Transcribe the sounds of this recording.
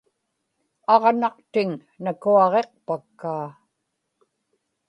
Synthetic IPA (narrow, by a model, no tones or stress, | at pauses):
ɑʁnɑqt̪ɪŋ | nakuɑʁe̞q̚pakːaː